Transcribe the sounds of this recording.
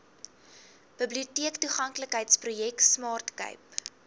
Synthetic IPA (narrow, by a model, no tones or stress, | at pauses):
b̥əbliutiəktuχɐŋkləkɦəjtsprujɛksmɑːrtkə̰ɥp